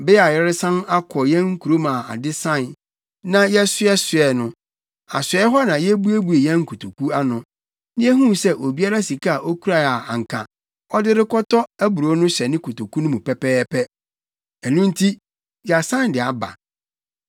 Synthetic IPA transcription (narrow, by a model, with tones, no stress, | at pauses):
bɪ˦a˨jɛ˦ɾɪ˦sã˦na˦kʰɔ˨jɛ̃˦ŋ̩˦kʰu˨ɾo˦mã˨a̰˨dɪ˦sã˦˨n | nã˦jɛ˦sʊ˦ɛ˦sʊ˨ɛ˨nʊ̃˦ | a̰˨sɛ˦ɦɔ˦nã˨jɛ˦bu˦e˦bu˨e˨jɛ̃˦ŋ̩˦kʰu˨tʰo˨kʰu˦a˦nʊ̃˨ | nɪ̃˦ɛ˦ɦũ˦˨sɛ˦ʔo˨bi˦a˦ɾa˦si˨kʰa˦a˨ʔo˦kʰu˦ɾa˨a˨a˨ŋ̩˨kʰã̰˨ | ɔ˦dɪ˦ɾɪ˦kɔ˦tʰɔ˦æ˦bu˨ɾu˨ɔ˦nʊ̃˦ɕɛ˨nɪ̃˦kʰu˨to˨ku˦nʊ̃˦mũ˨pʰɛ˦pɛː˦pʰɛ˦ | ɛ˨nũ˦n̩˦tʰi˦ | ja˨sã˦n˨dɪ˨a˨ba̰˨